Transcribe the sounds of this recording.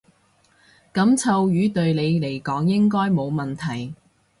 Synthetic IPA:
kɐ˨˥mt͡sʰɐ˨˧wjyː˨˧t̪ɵ˧ɥle˨˧jle˨˩jkɔː˨˥ŋjɪ˥ŋkɔː˥jmo˨˧wmɐ˨˩nt̪ʰɐ˨˩j

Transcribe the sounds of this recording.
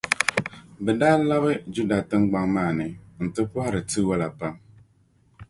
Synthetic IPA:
bɛ˨daː˦la˦βɪ˦d͡ʒu˦da˨tɨ˦ŋɡ͡ba˦ŋmaː˦˨nɨ˨n̩˨tɨ˦pʊ˦ha˦ɾɨ˨tɨ˦wa˦la˨pa˦m

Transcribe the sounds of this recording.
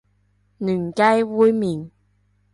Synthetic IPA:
nyː˨˩nka˥jwuː˥jmiː˨˩n

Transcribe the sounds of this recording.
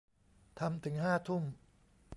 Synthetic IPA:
t̪ʰa˧mt̪ʰɯ˩˦ŋɦaː˥˩t̪ʰu˥˩m

